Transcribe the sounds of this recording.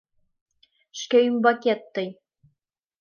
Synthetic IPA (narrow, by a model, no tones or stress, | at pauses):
ʃkʲæjymbɑkʲet̪ːɤj